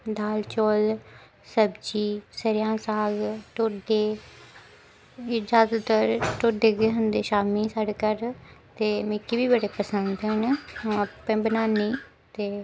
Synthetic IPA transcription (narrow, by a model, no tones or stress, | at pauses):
d̪aːlt͡ʃoːl | səbd͡ʒiːsəɾjãːsaːɡʈoːɖeː | ɪd͡ʒaːzət̪əɾʈoːɖeːɡeːɦʊ̃nd̪eːʃaːmiːsaɽkəɾt̪eːmɪ̃kibiːbəɽeːpəsənd̪ɦɛːnẽəpɛ̃ːbənaːniː | t̪eː